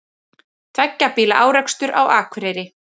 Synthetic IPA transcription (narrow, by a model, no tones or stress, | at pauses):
t̪ʰvɛcːapiːla̰ʔaːwɾɛkst̪ʏɾʔawaːkʰvɾɛːjɾɪ